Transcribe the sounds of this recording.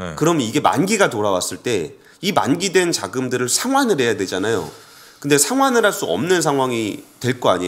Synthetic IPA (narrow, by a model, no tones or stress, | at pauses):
kɯɾʌmniɡe̞ma̰nɡiɡatoɾawas͈ɯɭt͈e̞ | ima̰nɡidwe̞nt͡ɕaɡɯmdɯɾɯɭsʰaŋɦwanɯɾɦe̞jadwe̞d͡ʑanajo̰ | kɯnde̞sʰaŋɦwanɯɾɦaɭs͈uʌ̰mnɯns̬ʰaŋɦwaŋitwe̞ɭk͈oa̰ɲi